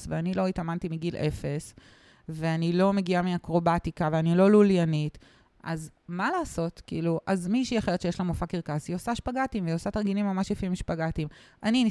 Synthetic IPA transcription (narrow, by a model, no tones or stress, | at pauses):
sveanilo̞itamantimiɡilʔe̞fe̞s | veanilo̞me̞ɡiamiakʁo̞batikaveanilo̞luljanit | ʔazmalaːso̞tkḭːluʔazmiʃiaχeʁett͡ʃejeʃlamofakiʁkasiosaʃpaɡatimveosataʁɡinimːamaʃjefiimʃepaɡatimʔanini